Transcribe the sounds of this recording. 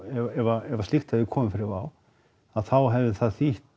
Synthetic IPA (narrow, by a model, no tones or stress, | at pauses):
ɛɛvaɛvaslixt̪hɛvðɪkʰɔːmɪfɪɾɪɾva̰ːw | aðθawɦɛvðɪθaðθiht̪